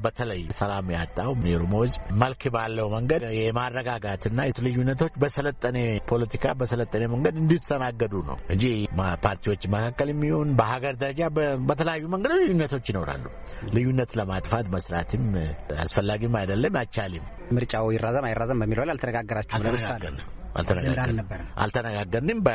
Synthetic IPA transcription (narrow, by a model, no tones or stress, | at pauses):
bət̪ʰələjsəlamja̰t̪ʼːawmneɾumowzməlkʰbalːəwməŋɡəjɛmarːəɡaɡat̪ɨnːajɛlɨjːunːət̪ʰo̞t͡ʃːbəsələt̪ʼːəne̞pʰo̞lət̪ʰikʰabəsələt̪ʼːəne̞məŋɡəd̪ɨnd̪it̪sənaɡːəd̪unə̰wɨnd͡ʒipʰaɾt̪ʰiwo̞t͡ʃːməkʰakːəljɛmːiho̞nbəhaɡəɾd̪əɾəd͡ʒabət̪ʰələjajːuməŋɡəd̪lɨjːunːət̪ʰo̞t͡ʃːjino̞ɾa̰lːu | lɨjːunːət̪ləmat̪ʼfat̪məsɾa̰t̪ʰɨma̰sfəlːaɡimajd̪əlːəmat͡ʃalɪm | mɨɾt͡ʃʼawjɪrːazəmajɪrːazəmbəmːiləwlalt̪ʰənəɡaɡːəɾat͡ʃːɛəna̰lt̪ʰənəɡa̰bʔa̰lt̪ʰənəɡaɡːəɾnɨmbə